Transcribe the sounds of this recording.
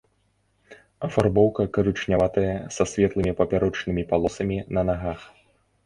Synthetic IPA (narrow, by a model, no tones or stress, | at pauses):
ɐfarbɔwkɐkɐɾɨt͡ʂnʲavat̪ɐjɐsɐsʲvʲɛt̪lˠɨmʲipɐpʲaɾɔt͡ʂnɨmʲipalˠɔsɐmʲinɐnaɣax